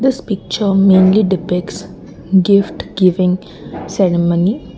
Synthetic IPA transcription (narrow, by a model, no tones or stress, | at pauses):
d̪ɪspɪk̚t͡ʃəɾmẽːnliɖɪpɪks | ɡɪfʈɡɪʋɪ̃ŋɡ | sɛɾɪməni